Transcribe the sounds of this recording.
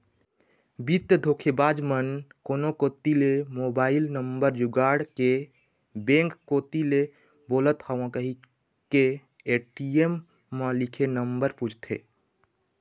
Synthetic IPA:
bit̪əd̪ʱoːkʰebaːd͡ʒmənkoːnokot̪ilemobaːɪlnəmbəɾd͡ʒuɡaːɽke | bẽŋkːoːt̪ile | boːlət̪həʋãkəɦi | ke | eʈiemː | əlikʰenəmbəɾput͡ʃʰt̪ʰḛ

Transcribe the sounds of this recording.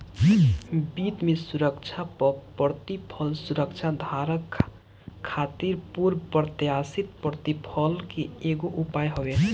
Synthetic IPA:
bit̪mesuɾəkt͡ʃʰappəɾt̪ipʰʌlsuɾəkt͡ʃʰad̪ʱaɾəkʰː | at̪iɾpuɾpəɾt̪jasit̪̚pəɾt̪ipʰəlkeeɡoʔupajɦobe

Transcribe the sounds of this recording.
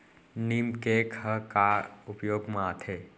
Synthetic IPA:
nimkekʰəkaupjoːɡmãt̪ʰe

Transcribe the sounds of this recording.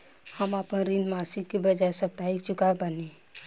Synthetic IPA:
həmaːpənɾinmaːsɪɡkibɐd͡ʒaesɐp̚t̪aikt͡ʃʊkaebəne

